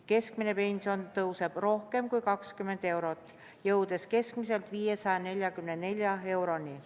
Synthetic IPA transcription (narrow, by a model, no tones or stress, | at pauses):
ke̞skmine̞pe̞nʲsio̞nt̪ɤwse̞b̥ro̞hke̞mkujkɑkskymːe̞nd̪̥e̞wɾo̞t̪ːˑ | jɤwd̪̥e̞ske̞skmise̞lt̪ˑviːje̞sɑjɑne̞lʲjɑkymnene̞lʲjɑe̞wɾo̞nʲi